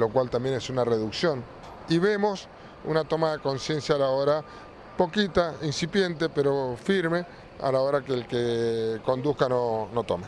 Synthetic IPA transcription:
lo̞kwalt̪ambje̞nesunareðuksjo̞n | iβe̞mo̞s | ṵnat̪o̞maðeko̞nsje̞nsjaːlaoɾa | po̞kit̪ainsipje̞nt̪epeɾo̞fiɾme̞ | a̰lao̞ɾakeːlkeko̞nd̪uhkanono̞t̪o̰me

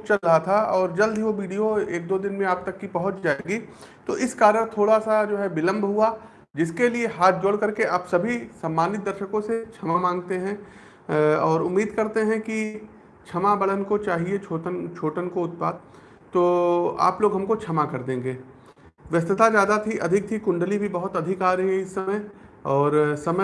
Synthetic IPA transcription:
t͡ʃɐlɾɐɦat̪ʰaɔːɾd͡ʒɐld̪ʱɦiʋoʋiːɖijoeːk̚d̪oːd̪ɪnmẽaːp̚t̪ɐkːipɐɦʊt͡ʃd͡ʒaːeːɡi | t̪oːʔɪskaːɾəɽ̃t̪ʰoːɽasad͡ʒoːɦɛbɪlə̃mbʱɦua | d͡ʒɪskelieɦaːt̪̚ʰd͡ʒoːɽkɐɾkeʔaːpsɐbʱisaːmːaːnɪt̪̚d̪ɐɾʃəkõset͡ʃʰɐmamãːŋɡt̪eɦɛ̃ | ɔːɾʊmːiːd̪kɐɾt̪eɦɛ̃ki | t͡ʃʰɐmabɐɭənkot͡ʃaːɦiet͡ʃʰoːʈənt͡ʃʰoːʈənkoʊt̪̚paːd̪̚ | t̪oːa̰ːploːɡɦɐmkot͡ʃʰɐmakɐɾd̪ẽːŋɡeː | ʋjɐst̪ɪt̪azjaːd̪at̪ʰiʔɐd̪ʱɪk̚t̪ʰikʊ̃ɳɖəlibʱibɐɦʊt̪ɐd̪ʱɪkaːɾɐɦiɦɛ̃ɪsːɐməj | ɔːɾsɐmə

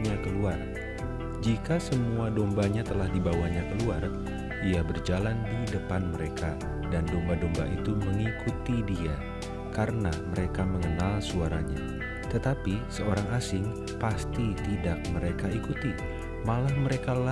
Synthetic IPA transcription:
ɲakəluar | d͡ʒikasəmuadɔmbaɲat̪əlahdibawaɲakəluar | iabərd͡ʒalandidəpanməɾeka | dandɔmbadɔmba̰ʔit̪uməŋikut̪idia | kaɾənaməɾekaməŋənalsuaɾaɲa̰ | t̪ət̪apisəoɾaŋasɪŋ | past̪it̪idak̚məɾekaikut̪i | malahməɾekala

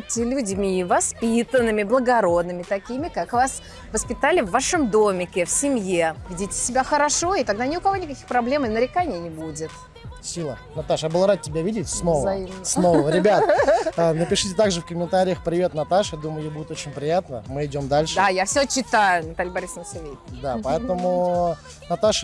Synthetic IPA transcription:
tʲːɪlʲʊdʲmʲivɐspʲit̪ənːɨmʲɪblˠəɡɐɾo̞d̪nɨmʲɪt̪ɐkʲimʲɪkakvas | vəspʲɪt̪alʲɪvːaʂəmd̪omʲɪkʲɪfsʲɪmjevʲidʲitʲɪ̥sʲɪbʲaxəɾɐʂo̞ɪt̪ɐɡd̪anʲɪʊkɐvo̞nʲɪkɐkʲi̥xpɾɐblʲe̞mɪnəɾʲɪkanʲɪnʲɪbudʲɪt̪ | sʲilˠə̰ | nɐt̪aʂjabɨlˠɾat̪̚tʲːɪbʲavʲidʲɪtʲsnovəɐimsnovəɾʲɪbʲat̪ː | nəpʲɪʂɨtʲɪt̪aɡʐɨfkəmʲɪnt̪aɾʲɪjəxpɾʲɪvʲe̞t̪nɐt̪aʂjad̪uməjʊjejbudʲɪt̪ot͡ɕɪnʲpɾʲɪjat̪nəmɨɪdʲo̞md̪alʲʂɨajafsʲot͡ɕɪt̪ajʊnɐt̪alʲɪjbɐɾʲisnəsɐvʲejd̪apɐɛt̪əmʊ | nɐt̪aʂ

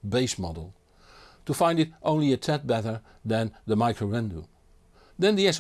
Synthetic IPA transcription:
beɪsmɑ̰ɾl̩ˠ | təfãɪ̃ndɨɾʔõʊ̃nliɨtʰɛt̚b̥ɛɾə˞ | ðɨ̃nðəmaɪkʰoɹɛ̃ndṵ | ðɨ̃nðiɛs

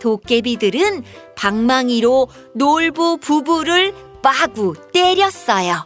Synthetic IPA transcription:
tok͈e̞bidɯɾɯn | paŋmaŋiɾo | noɭbupubuɾɯɭ | p͈aɡut͈e̞ɾjʌs͈ʌjo

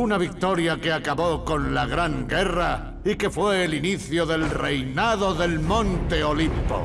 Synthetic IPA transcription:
unaβik̚t̪o̞ɾjake̞akaβo̞ko̞nlaɣɾaŋɡe̞ra | ike̞fwe̞ːliniθjoðe̞lre̞jnaðo̞ðe̞lmõnt̪e̞o̞limpo̰

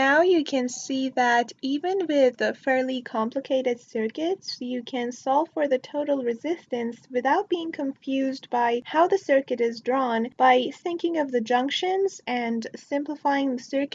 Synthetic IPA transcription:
naʊjɨkʰɨ̃nsiðɨɾivɨ̃nwɪðɨfɛɹlˠikʰɑ̃mpləkʰeɪɾɨd̥sɜ˞kɨtsjɨkʰɨ̃nsɔlˠfə˞ðɨtʰoʊɾl̩ˠɹɨzɪstɨ̃nswɨθaʊt̚b̥iɪ̃ŋkʰɨ̃ɱfjʉzdbaɪhaʊðɨsɜ˞kɨɾɨzdɹɔ̃nb̥aɪθɪ̃ŋkɪ̃ŋʌvðɨd͡ʒʌ̃ŋkʃɨ̃nzɨ̃nsɪ̃mpləfaɪɪ̃ŋðəsɜ˞k

